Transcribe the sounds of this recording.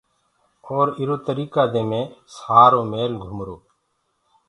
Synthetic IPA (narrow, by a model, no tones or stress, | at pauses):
oːɾɪɾoːt̪əɾiːkaːd̪ẽːmẽːsaːɾoːmeːlɡʱʊmɾoː